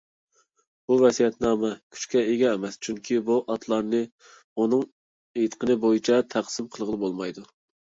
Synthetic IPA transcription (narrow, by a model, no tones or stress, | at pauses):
b̥uvɛsijɛt̪nɑːmɛkʲʰy̥t͡ʃkʲɛeɡʲɛːmɛst͡ʃʰyŋkʲʰibuʔɑt̪ʰlˠɑɾnɨ | unɨŋ | et̪qʰənɨbojit͡ʃʰɛt̪ʰæqsɪmqʰəlˠʁəlˠɨbolˠmɑjd̪u